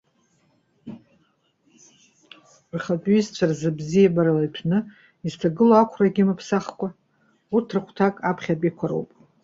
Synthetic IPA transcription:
rχat͡pʼɥizt͡ɕʷʰarzɨbzijabaɾalajtʰnɨ | iztʰaɡɨloakʷʰraɡʲɪmapʰsaχkʷʼa | urtʰrɨχʷʰtʰakʼapʰχʲapʼikʷʰaɾo̰wpʼ

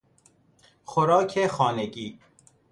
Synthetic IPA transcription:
xoɾɒːcʰexɒːneɟiː

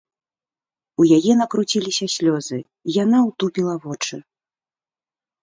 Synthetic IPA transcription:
ujajɛnɐkɾut͡sʲilʲisʲɐsʲlʲɔzɨ | ijanawt̪upʲilˠɐvɔt͡ʂɨ

